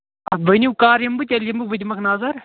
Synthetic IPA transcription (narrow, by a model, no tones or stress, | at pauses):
ɐsbɐniukaːɾjɐmbɨt̪ʲɐljɐmbɨk̚bɨd̪ʲimɐkʰnaːzɐɾ